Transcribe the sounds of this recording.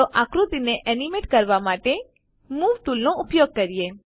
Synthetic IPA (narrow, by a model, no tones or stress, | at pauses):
oʔãkɾut̪ineʔɛnimeʈkəɾʋamaʈe | muʋʈulnoʊpjoɡ̚kəɾije